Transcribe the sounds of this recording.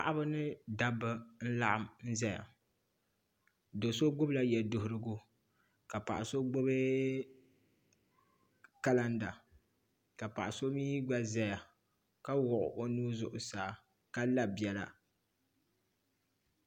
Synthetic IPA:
pa̰˨ʔa˦ba˦nɨ˦da˦bɨ˦n̩˦la˦ʔa˦mn̩˦za˦ja̰˨ | do˨so˦ɡ͡bʊ˦bla˦jɛ˨dʊ˨hʊ˦ɾɨ˦ɡʊ˦ | ka˨pa̰˨ʔa˨so˦ɡ͡bo˦bɨ˦ | ka˦la˦nda˨ | ka˨pa̰˨ʔa˨so˦miː˦ɡ͡ba˦za˦˨ja˨ | ka˦wʊ˨ʔʊ̰˨ʔo˦nuː˦zʊ˨ʔʊ˨saː˨˦˨ | ka˦la˦bɛ˨la̰˨

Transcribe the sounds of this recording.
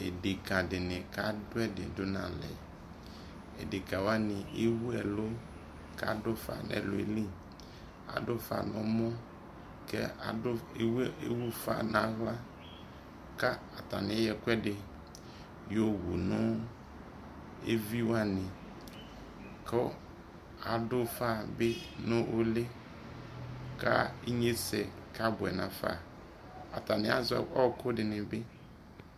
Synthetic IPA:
e˨ɖe˨kã˨ɖe˨nẽ˨ka˦do˦ɛ˦ɖe˨do˦nã˨lɛ̰˨ | ḛ˨de˨kã˨wo˦a˦nĩ˨e˦wu˦ɛ˨lo˦ | ka̰˦do˦fa̰˨nʔɛ̰̃˨lo̰˦ḛ˦li˦ | a̰˨ɖo˦fa̰˨nɔ̃˦mɔ̃˦ | kɛ̰˦a˨o˦we˦wu˦fa̰˦nã˦ɣla˦ | ka˦a˨t̪a̰˨nẽ˦jɛ˨kʷɛ˦ɖe˨ | jo˨wu˨nʊ̃˦ | ḛ˦vi˦wa˦nɪ̃˨ | kʰɔ˦ | a˨dʊ˦fa˦˨bɪ˦nʊ̃˦ʔʊ˦lɪ˦ | ka˦e˦ɲe˦sɛ˨ka˦bʊ˨ɛ˨nã˨fa̰˦˨ | a̰˨ta˨nɪ̃˨˦a˦zʊ˦ɛ̰˨ɔ˦kʰʊ˦dɪ˨nɪ̃˨bɪ˦

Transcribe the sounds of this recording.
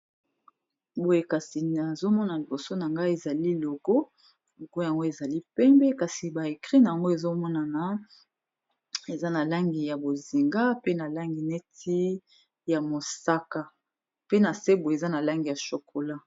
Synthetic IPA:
bo˨je˨ka˨si˨a˨zo˦mɔ˦na˨li˨bo˨so˦na˨ŋɡa˦e˨za˨li˦lo˨ɡo˦ | lo˨ko˦ja˨ŋɡo˦e˨za˨li˦pɛ˦mbɛ˦ka˨si˨ba˨e˨kʁi˦na˨ja˨ŋɡo˦e˨zo˦mɔ˦na˨na˨ | e˨za˦na˨la˦ŋɡi˨ja˨bo˨zi˨ŋɡa˦pe˦na˨la˦ŋɡi˨nɛ˦ti˦ | ja˨mo˨sa˦ka˦˨ | pe˦na˨se˦bo˨e˨za˦na˨la˦ŋɡi˨ja˨ʃo˨kʰo˨la˦

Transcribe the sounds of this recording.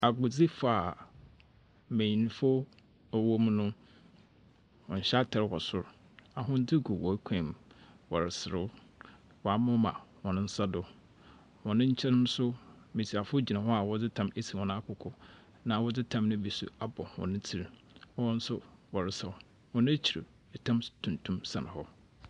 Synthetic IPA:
a˨ɡʊ˨d͡zi˦fa˨ | mẽ˨ĩ˨ñ˨fo˦ | ɔ˨wo˦m˦nʊ̃˦ | hɔ̰̃˨ɲ̩˨ɕa˦tʰɛ˨ɾwɔ˨sʊ˦˨ɾ | a˨ɦʊ̃˦n̩˦dɪ˦ɡu˨wɔ˨˦kʷʰɛ̃˨mwɔ˨ɾɪ˨sɪ˨ɾʊ˦ | wɔ˨a˨mã˦mã̰˨wɔ̃˨nʊ̃˦n̩˦sa˦dʊ˨ | wɔ̃˨nɪ̃˦ɲ̩˦t͡ɕʰɛ˦n˦nʊ̃˦sʊ˦ | mĩ˨si˨a˨fʊ˦o˦d͡ʑi˨nã˨ɦɔ˦a˨wɔ˦d͡zɪ˦tʰã˦me˦sʰi˨wɔ̃˨nã˦kʰʊ˨kʰɔ˦ | nã˨wɔ˦d͡zɪ˦tʰã˦mnʊ̃˦bi˨sṵ˦a˦bɔ˨hɔ̰̃˨nɪ̃˦tʰi˨ɾ | ɔ˦wɔ̃˦n̩˦sʊ˦wɔ˨ɾɪ˨sa˨ | wɔ̃˨nʊ̃˦t͡ɕʰi˨ɾḭ˨ | ɛ˨tʰã˦mtʰũ˨ntʰũ˦msã̰˨ñ˨hɔ˦

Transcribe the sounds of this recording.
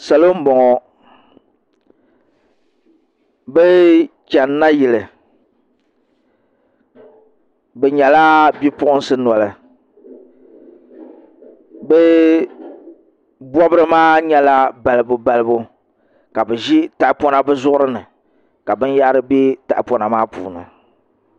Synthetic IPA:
sa˨lo˦m̩˦bɔ˨ŋɔ˨ | bɛ˦t͡ʃɛ˨nːa˦ji˨lɨ˨ | bɛ˨ɲɛ˨la˦bi˦pʊ˦ʔʊ˦n˦sɨ˦na˨lɨ˨ | bɛ˦ | bɔ˦bɨ˦ɾɨ˦maː˦ɲɛ˦la˦ba˨lɨ˨bʊ˨ba˨lɨ˦bʊ˦ | ka˨bɨ˨ʒi˦ta˨ʔpɔ˦na˦bɨ˦zʊ˦ʔʊ˦ɾɨ˦nɨ˨ | ka˨bɨ˦nja˦ɾɨ˦be˦ta˨ʔpɔ˦na˨maː˦pṵː˨nɨ̰˨

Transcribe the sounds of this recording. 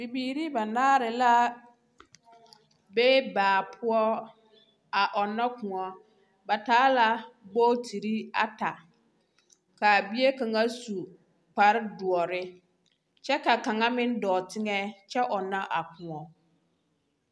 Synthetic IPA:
bi˨biː˨ɾi˦ba˨naː˦ɾɪ˨la˦ | beː˦baː˨pʰʊ˦ɔ˦ | a˨ʔɔ˨nːa˦kʊ̃˨ŋɔ˦ | ba˨taː˦la˦bo˦tʰi˨ɾi˦a˨ta˨ | ka˨bi˦e˦ka˨ŋa˦su˨ | k͡pa˨ɾɪ˦du˨ɔ˨ɾɪ˦ | t͡ʃɛ˦ka˨ka˨ŋa˦mɪ˦n˦dɔː˨tɪ˦ŋɛ˦t͡ʃɛ˦ʔɔ˨nːa˦ʔa˨kʊ˨ɔ˨

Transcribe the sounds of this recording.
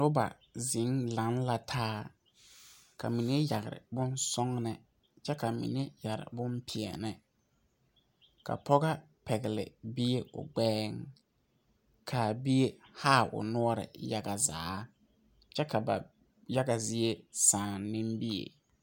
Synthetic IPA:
dʊ˦ba̰˨ | zɪ˨˦ŋla˨˦nla˨tʰaː˦ | kʰa˨mi˨ne˦ja˨ɣɪ̰˨ɾɪ̰˨bʊ˦nsɔ˦ŋnɛ˨ | t͡ʃɛ˦ka˨mḭ˨ne˦ja˨ɾɪ̰˨bʊ˦mpʰɪ˨ɛ̰˨nɪ˦ | ka̰˨pʰɔ˦ɣa˦ | pɛ˨ɡɪ˨lɪ̰˨bi˦e˦ʔʊ̰˨ɡ͡bɛː˦ŋ | kʰa˨bi˦e˦haː˦˨ʔʊ̰˨nʊ˦ɔ˦ɾɪ̰˨ja˦ɡa˨za̰ː˨˦ | t͡ʃɛ˦ka˨ba̰˨ | ja˦ɡa˨zɪ˦e˦saː˨nːɪ̃˦mbi˦ḛ˨

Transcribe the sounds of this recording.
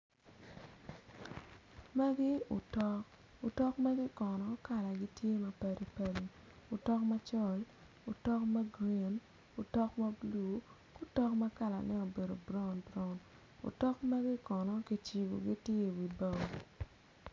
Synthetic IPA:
ma˦ɡɪ˦ʊ̰˨tɔ˦k | ʊ˨tɔ˦kma˦ɡɪ˦kɔ˨nɔ˨˦ka˨la˨ɡɪ˦tje˦mɐ˨pɛ˨ɾi˨pɛ˨ɾi˨ | ʊ˨tɔ˦kma˦t͡ʃɔ˦˨l | ʊ˨tɔ˦kma˦ɡɾe˨n | ʊ˨tɔ˦kma˦blu˨˦ | kʊ˦tɔ˦kma˦ka˦˨la̰˨nɛ˦o˨be˨do˨bɾɔ˦nbɾɔ˨n | o̰˨tɔ˦kma˦ɡɪ˦kɔ˨nɔ˦ki˦t͡ʃi˨wo̰˨ɡi˦tje˦˨wi˨ba˨

